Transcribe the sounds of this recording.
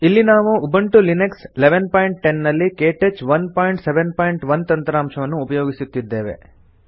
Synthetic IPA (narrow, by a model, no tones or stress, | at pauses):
ilːinaːʋuʔːbɐɳʈulineksleʋenpaːjiɳʈ̚ʈenːɐlːikeːʈet͡ʃʋɐnpaːjiɳʈseʋenpaːjiɳʈʋɐnt̪ɐnt̪ɾaːmʂɐʋɐnːuːpɐjoːɡisut̪ːid̪ːe̞ːʋḛ